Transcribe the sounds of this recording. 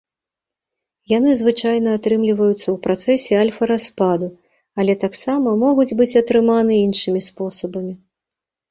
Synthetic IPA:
jan̪ɨzvɨt͡ʂajnɐːt̪ɾɨmlʲivɐjut̪sːɐwpɾat̪sɛsʲɛalʲfɐɾaspad̪u | ɐlʲɛt̪aksamɐmɔɣud͡zʲbɨt͡sʲɐt̪ɾɨmanɨinʂɨmʲispɔsɐbɐmʲi

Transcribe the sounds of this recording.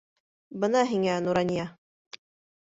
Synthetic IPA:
bɤnɑɦiŋænuɾɑnʲjɑ

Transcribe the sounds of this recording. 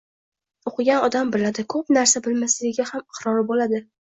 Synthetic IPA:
oqʰɨɡʲanɒd̪ambɪlad̪ɪkʰɵpnaɾsabɪlmaslɪɡʲɪɡʲahamɪqɾɒɾɪbolad̪ɪ

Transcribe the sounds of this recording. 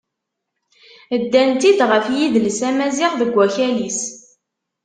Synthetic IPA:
əd̪ːænt̪id̪ʁəfjiðləsæmæzɪχðəɡʷːæçælis

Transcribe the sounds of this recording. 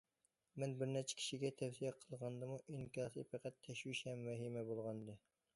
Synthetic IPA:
mɛnbɪɾnɛt͡ʃʰɛ̥kʲʰi̥ʃiɡʲɛt̪ʰɛfsijɛqʰəlˠʁɑnd̪ɨmuʔinkʲɑsɨ̰pʰɛqæt̪ʰːɛʃwiʃɛmːæɦimɛbolˠʁɑnd̪ɨ

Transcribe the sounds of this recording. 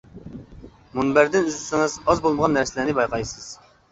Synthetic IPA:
munbæɾd̪ɪnyzysɨŋəzɑzbolˠməʁɑnːæɾsɪlæɾnɪbɑjqʰɑjsɨz̥

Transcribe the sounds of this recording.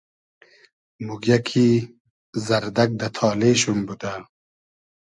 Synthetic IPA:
muɡjakʰi | zɐɾd̪ɐk̚d̪ɐt̪ʰɑːleɕumbud̪a

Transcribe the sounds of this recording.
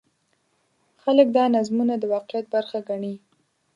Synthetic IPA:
xalək̚d̪ɑnazmunad̪əwɑqjat̪̚baɾxaɡaɳi

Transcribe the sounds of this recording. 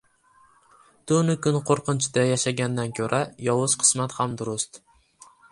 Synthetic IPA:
t̪ʊnɪkʰʊnqʰoɾqɨnt͡ʃʰɪd̪ajaʃaɡʲand̪ankʲʰɵɾʔajɒwʊz̥qʰɨ̥smat̪hamd̪ʊɾʊst̪

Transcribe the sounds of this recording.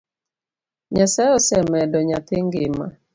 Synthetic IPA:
ɲasaɔsɛmɛdɔɲat̪eŋɡɪma̰

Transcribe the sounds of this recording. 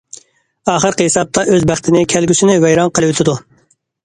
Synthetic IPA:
ɑːχəɾqhesɑp̚t̪ʰɑʔøzbæχt̪ʰɪnɪkʲʰælɡʲyʃɪnɪvɛjɾɑnqʰəlˠɨwyt̪ʰɪd̪u

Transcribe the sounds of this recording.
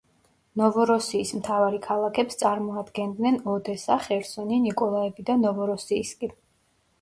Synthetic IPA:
nɔvɔɾɔsiːsmt̪ʰavaɾikʰalˠakʰɛpst̪sʼaɾmɔad̪ɡɛnd̪nɛnɔd̪ɛsaχɛɾsɔninikʼɔlˠaɛbid̪anɔvɔɾɔsiːskʼi

